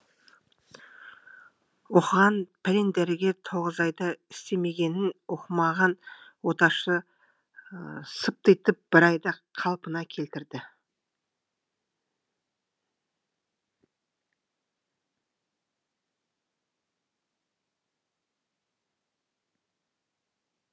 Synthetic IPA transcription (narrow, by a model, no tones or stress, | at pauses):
wo̞qəʁɑnpʰlend̪æɾɪɡʲe̞t̪ʰo̞ʁəzɑjd̪ɑɪst̪e̞me̞ɡʲe̞nɪnwo̞qəmɑʁɑnwo̞t̪ɑʃə | səp̚t̪ejt̪ɪp̚b̥ɪɾɑjd̪ɑqʰɑlˠpənɑkʲʰe̞lt̪ɪɾd̪ɪ